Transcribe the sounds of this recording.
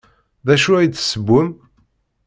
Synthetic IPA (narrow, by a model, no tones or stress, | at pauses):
ðæʃuæj̪səbːʊm